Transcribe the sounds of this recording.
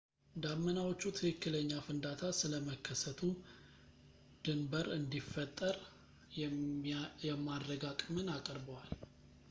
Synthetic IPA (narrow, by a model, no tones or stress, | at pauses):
d̪amːənawot͡ʃːut̪ʰɨkɨkːɨləɲːafɨnd̪at̪ʰasɨləməkʰːəsət̪ʰu | d̪̥ɨmbəɾɨnd̪ifːət̪ʼːəɾ | jɛmːad̪ːəɡakʼmɨnakʼəɾbəwal